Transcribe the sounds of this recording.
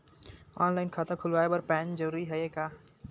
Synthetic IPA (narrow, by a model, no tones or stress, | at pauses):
aːnlaːɪnkʰaːt̪ãkʰʊlʋaːebɐɾpɛ̃ːnd͡ʒəɾuːɾiɦɐeːkaː